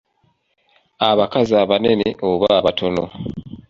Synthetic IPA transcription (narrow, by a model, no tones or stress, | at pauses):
aβakazaβane̞neʔoβaβatʰo̞no̰